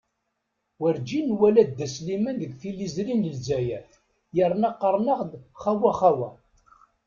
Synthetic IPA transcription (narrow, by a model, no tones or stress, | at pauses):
wəɾd͡ʒinwælæd̪̚d̪ːæslimænðəɡθilːizɾinəlzæjæθ | jəɾˤnɑqːəɾˤnəʁd̪χawæχæwæ